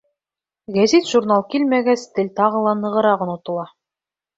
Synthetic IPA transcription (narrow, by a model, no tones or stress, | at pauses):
ɡæzit̪ʒ̥urnɑlˠkilmæɡæst̪ɘ̆lʲt̪ɑʁɤ̆lˠɑnɤ̆ʁɤ̆ɾɑʁɤ̆nut̪ɤ̆lˠɑ